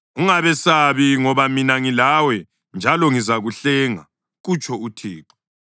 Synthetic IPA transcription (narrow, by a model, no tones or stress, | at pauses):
uŋaβɛsaβiŋɔβaminaŋilawɛ | nd͡ʒʱalɔŋizaɣuɬɛŋa̰ | ɣut͡ʃʰʼɔutʰḭːǃi̥